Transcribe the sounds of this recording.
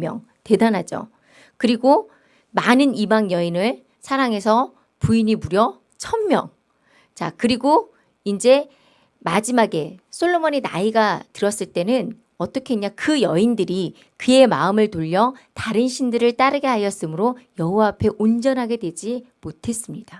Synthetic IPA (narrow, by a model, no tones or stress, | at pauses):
jʌ̰ŋ | te̞danɦad͡ʑo̰ | kɯɾiɡo | manɯnibaŋjʌinɯɭ | sʰaɾaŋe̞sʰʌ | puiɲimuɾjʌ | t͡ɕʰʌmmjʌŋ | t͡ɕakɯɾiɡo | ind͡ʑe̞ | mad͡ʑimaɡe̞sʰoɭːomʌɲina̰iɡatɯɾʌs͈ɯɭt͈e̞nɯn | ʌt͈ʌkʰeɲakɯjʌindɯɾi | kɯe̞ma̰ɯmɯɭtoʎːʌtaɾɯnɕʰindɯɾɯɭt͈aɾɯɡe̞ɦajʌs͈ɯmɯɾojʌɦowaːpʰe̞ʔond͡ʑʌnɦaɡe̞dwe̞d͡ʑimotʰe̞s͈ɯmɲid̥a